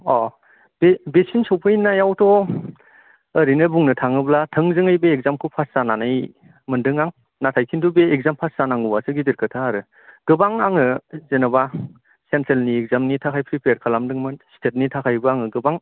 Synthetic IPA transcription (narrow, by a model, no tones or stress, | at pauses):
ɔ | bebesinsɔwpʰɯjnajawtʰɔ | əɾinɯbuŋnɯtʰaŋɯblatʰɯŋzɯŋɯjbeːk̚zamkʰɯpʰassananaj | mɯndɯŋaŋ | natʰajkʰintʰubeːk̚zampʰaszanaŋuwasɯɡidiɾkʰɯtʰaːɾɯ | ɡ̥ɯbaŋaŋɯzenaba | sentɾelniek̚zamnitʰakʰajpʰɾipeɾkʰalamdɯŋmɯnstʰet̚nitʰakʰajbɯaŋɯɡɯbaŋ